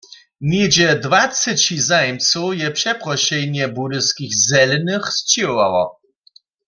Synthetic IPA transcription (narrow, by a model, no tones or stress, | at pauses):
nʲed͡ʑɛd̪vasɨt͡ɕizajɛmt͡sujɛpʂɛpʁɔɕɛjɲɛbudɪskʲixzɛlnɨxst͡ɕiwɔva̰wɔ̰